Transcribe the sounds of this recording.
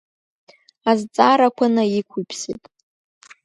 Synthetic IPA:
azt͡sʼaɾakʷʰanaikʷʰupʰsḛtʼ

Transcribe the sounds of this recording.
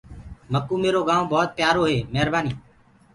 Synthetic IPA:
məkuːmeːɾoːɡãːõːbɔːt̪̚pjaːɾoːɦeːmeɦəɾbaːniː

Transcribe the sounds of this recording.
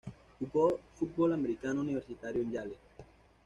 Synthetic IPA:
ukolfut̪̚bolameɾikanouniβeɾsit̪aɾjoeɲɟale

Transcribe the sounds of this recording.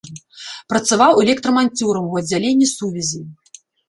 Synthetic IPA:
pɾɐt̪savawɛlʲɛkt̪ɾɐmanʲt͡sʲuɾɐmuɐd͡zʲːalʲenʲːisuvʲizʲi

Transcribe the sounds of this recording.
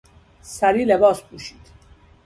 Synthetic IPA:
saɾilɛbɔːspuʃi̥t̪ʰ

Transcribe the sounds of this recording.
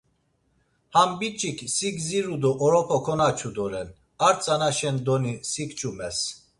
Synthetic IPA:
hambit͡ʃʼikʰsiɡziɾud̪ɔʔɔɾɔpʰɔkʰɔnat͡ʃʰud̪ɔɾɛn | aɾt͡sʼanaʃɛnd̪ɔnisikt͡ʃʼumɛs

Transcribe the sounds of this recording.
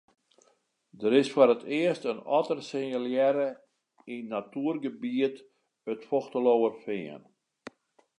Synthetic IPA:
dəɾɪsfoɾətʰɪəstənɔ̰tərsɪnəljɛɾə | inːatuːərɡəbiət | ətfoxtəlowəfɪən

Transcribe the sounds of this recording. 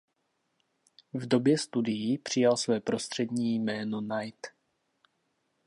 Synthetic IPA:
vdo̞bjɛst̪udɪjipr̝̥ɪjalsvɛːpɾo̞st̪r̝̥ɛdɲiːjmɛːnonajt̪

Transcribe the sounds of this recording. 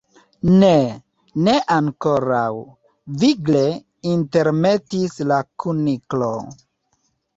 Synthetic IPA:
ne | neʔaŋko̞ɾaw | viɡle | inte̞ɾme̞tislakuniklo

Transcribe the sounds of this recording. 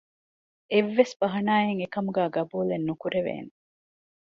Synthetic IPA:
eʋːesb̥ɐɦɐnaːjeŋekɐmuɡæːɡɐbuːlenːukuɾeʋḛːne

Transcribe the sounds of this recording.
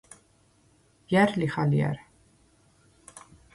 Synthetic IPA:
jærliχaliæ̰ɾ

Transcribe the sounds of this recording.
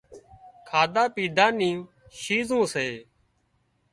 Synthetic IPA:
kʰaːd̪aːpiːɖʱaːnĩː | ʃiːzũːseː

